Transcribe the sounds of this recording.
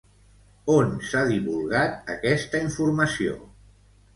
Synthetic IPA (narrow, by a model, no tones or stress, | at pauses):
onsaðiβulˠɣat̪̚ə̰kɛst̪əiɱfuɾməsio̰